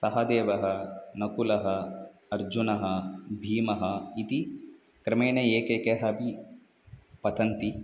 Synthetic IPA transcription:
sɐɦɐd̪eːʋɐɦɐnɐkulɐɦɐːɾd͡ʒunɐɦɐbʱiːmɐɦɐit̪i | kɾɐmeːnɐeːkekeɦɐbʱi | pɐt̪ɐnt̪i

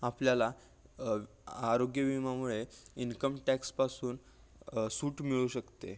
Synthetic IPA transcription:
apljala | aɾoɡjəʋimamuɭeinkəmʈækspasuːn | suːʈmiɭuɕəkt̪ḛ

